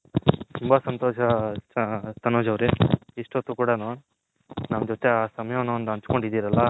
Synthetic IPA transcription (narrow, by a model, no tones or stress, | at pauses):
t̪umbasɐnt̪oːʃɐ | t̪ɐnoːd͡ʒɐʋɾeiʂʈot̪ːukuːɽanoːɳ | nɐmd͡ʒoːt̪ːeaːsɐmɐjɐʋɐnːɐnd̪ɐɲt͡ʃkoɳɖid̪ːiːɾɐlːɐ